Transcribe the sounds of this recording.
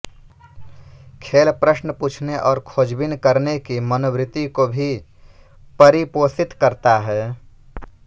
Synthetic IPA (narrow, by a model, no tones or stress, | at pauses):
kʰeːlpɾəsnəpuːt͡ʃʰneʔɔːɾkʰoːd͡ʒbɪnkəɾnekimənobɾɪt̪ːikobʱi | pəɾipoːsɪt̪kəɾt̪aɦɛː